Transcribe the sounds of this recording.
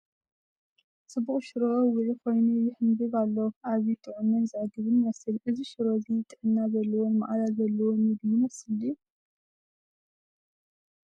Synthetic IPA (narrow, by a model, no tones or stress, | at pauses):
sʼɨbːuχʼʃɨɾowʊʕikʰo̞jnujɪħɨnbɨβalːowʔaβit̪ʼɨʕunːɐnzaɡɨβɨnmɐsɨlʔɨziʃɨɾozijt̪ʼːɨʕɨnːazɐlːɐwonma̰ʔʼlalzɐlːɐwonjɪɡjimɐsɨlu